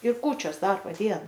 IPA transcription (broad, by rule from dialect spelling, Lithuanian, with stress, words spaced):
ɪr ˈkuːt͡ʃʲoːs ˈdɐrboː ˈdʲiɛnɐ